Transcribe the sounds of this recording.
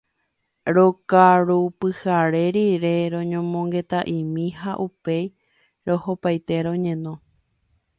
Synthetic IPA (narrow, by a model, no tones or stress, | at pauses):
ɾo̞kaɾupɨhaɾe̞ɾiɾe̞ɾõ̞ɲõmõŋɡe̞t̪aʔĩmĩhaʔupe̞j | ɾo̞hopajt̪e̞ɾõ̞ɲẽ̞nõ̞